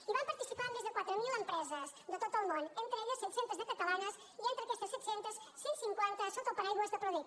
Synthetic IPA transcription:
iβampɐɾt̪isipaɾmezðəkwat̪ɾəmilempɾɛzəzd̪ət̪ot̪əlˠmonent̪ɾəeʎəsːɛt̪sent̪əzðəkət̪ɐlanɐs | iẽnt̪ɾəkest̪əsɛt̪sent̪əssinsiŋkwɛnt̪ɐsokopəɾajɣuəzðəpɾoðut̪

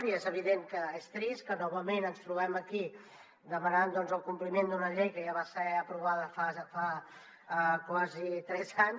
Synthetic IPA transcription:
ɾiezəβ̞iðeŋkəest̪ɾiskənɔβəmenənst̪ɾuβɛməki | d̪əmənand̪ɔnzəlˠkumplimend̪unəʎejkəjaβasɛəpɾuβ̞aðəfafa | kwazit̪ɾɛzaɲ

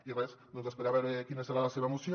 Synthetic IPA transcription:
ieesd̪onzespeɾaβeɾekinaseɾalaseβaemusjo

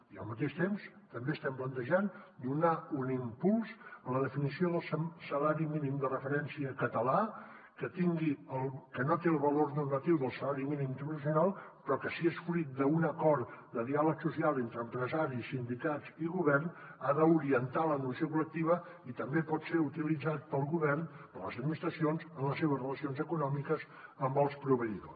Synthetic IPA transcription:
iə̰lˠmət̪̬eʃt̪ems | t̪əmbeəst̪ɛmplənt̪əʒand̪unaunimpulˠzələð̞əfinisioðəlˠssəlaɾiminimd̪ərəfəɾɛnsiəkət̪əla | kət̪iŋɡiəlˠkənot̪eəlˠβəlornurmət̪iwðəlˠsəlaɾiminimint̪ərnəs̬junalˠpɾɔkəsiesflit̪̚d̪əunəkɔɾt̪d̪əðialəksusialˠent̪ɾəːmpɾəzaɾisind̪ikatt͡siɣuβɛrnaðəuɾiənt̪alənusiokulək̚t̪iβ̞ə | it̪əmbepɔt̪seɾut̪ilid͡zat̪̚pəlˠɣuβɛrnpələ̰zəd̪minist̪ɾəsionzənləsːeβ̞əzrələsionzəkunɔmikəz | əmbɔlˠspɾuβəiðo̰

